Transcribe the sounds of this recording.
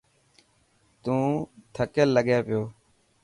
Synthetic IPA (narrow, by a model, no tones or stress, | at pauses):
t̪ũːt̪ʰəkəlːəɠeːpɪjoː